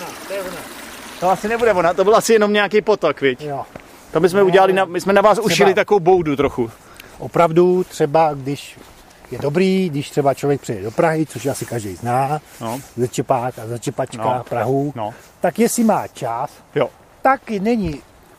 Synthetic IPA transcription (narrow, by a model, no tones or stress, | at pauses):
nat̪ojɛvonat̪oasɪnɛbudɛvonat̪obɪlʔasɪjɛnomɲɛakejpot̪okvjɛcjo | t̪ombɪsmɛuɟɛlalɪnamɪsmɛnavaːsuʃɪlɪt̪akovowbowdut̪ɾoxu | ʔopɾavdut̪r̝̥ɛbaɡdɪʃ | jɛdo̞bɾiːɡdɪʃt̪r̥ɛbat͡ʃlovjɛk̚pr̥ɛjɛdo̞pɾaɦɪt͡soʃjasɪkaʒdɛjznaːzɛt͡ʃɛpaːkazɛt͡ʃɛpat͡ʃkapɾaɦunt̪akjɛsɪmaːt͡ʃas | jo | t̪aknɛɲɪ